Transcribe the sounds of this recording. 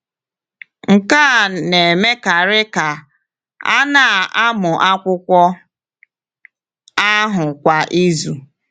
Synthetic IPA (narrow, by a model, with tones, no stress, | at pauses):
ŋ̩˨ka˦˨ne˨e˨me˦ka˨ɾɪ˦ka˨ | a̰˦na˦˨ʔa˦mʊ˨ʔa˦kʷʊ˦kʷɔ˦ | a˦ɦʊ˨kʷa˨ʔi˦zu˨